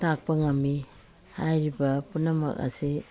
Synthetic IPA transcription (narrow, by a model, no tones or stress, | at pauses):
tak̚pɐŋami | hajɾibɐpunɐmɐ̰ka̰se